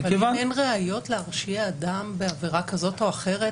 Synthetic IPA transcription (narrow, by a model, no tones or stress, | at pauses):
valvaenʁeajo̞tleaʁʃiaːdambe̞aviʁakazo̞to̞aχe̞ʁe